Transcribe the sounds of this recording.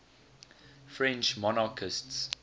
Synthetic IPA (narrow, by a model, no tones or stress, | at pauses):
fɹɛ̃nt͡ʃmɔnakʰəsts